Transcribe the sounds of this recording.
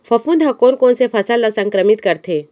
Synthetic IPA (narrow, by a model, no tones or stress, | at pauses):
pʰɐfũnd̪ʱɦɐkoːnkoːnsepʰɐsalasɐ̃ŋkɾəmit̪kɐɾt̪ʰeː